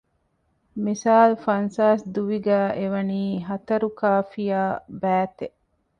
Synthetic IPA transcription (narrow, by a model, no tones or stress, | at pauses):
misaːlfɐnsaːsd̪uʋiɡæːʔeʋɐniːɦɐt̪ɐɾukaːfijaːbæːt̪eʔ